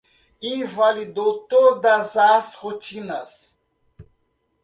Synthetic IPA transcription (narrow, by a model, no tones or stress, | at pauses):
ivalid̪owt̪od̪ɐzɐshot͡ʃĩnɐs